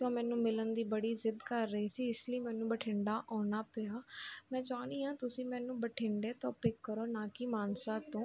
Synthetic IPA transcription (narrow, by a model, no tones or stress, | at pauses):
t̪õːmɛ̃ːnũːmɪlənd̪iːbəɽiːzɪd̪kəɾːəiːsiːɪsləiːmɛ̃ːnũːbəʈʰɪ̃ɳɖaːʔɔːnaːpɪaːmɛ̃ːd͡ʒaːniːɦãːt̪ʊsĩːmɛ̃ːnũːbəʈʰɪɳɖeːt̪õːpɪkːəɾoːnaːkɪmaːnsaːt̪õː